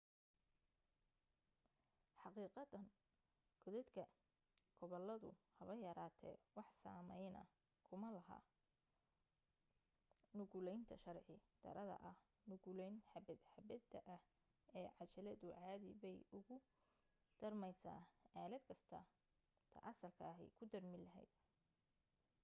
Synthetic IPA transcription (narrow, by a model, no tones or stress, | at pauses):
ħɑqiːqɑd̪ɐn | kʰɔðɛd̪kʰɐ | ɡ̥ʰɔβɔlːɐðʊ̰hɐβɐjɐɾaːt̪ʰɛ̰wɑħsa̰ːmɛjnɐ̰ | kʰʊmɐlɐɦa̰ː | nʊɣʊlɛjnt̪ʰɐʃɐrʕɪd̪̥ɐ̰ɾɐðɐ̰ʔɐh | nʊɣulɛjnħɐbɛd̪ħɐbɛd̪ɐʔɐh | ɛːʕɑt͡ʃɐlɐðʊʕɑːðɪ̰βɛjʊɣʊ | d̪̥ɐrmɛjsa̰ːaːlɛd̪kʰɐst̪ʰɐ | t̪ʰɐ̰ʔɐsɐlkʰaːɦɛ̰jkʰʊd̪ɐrmɪlɐɦɛ̰jd̪̚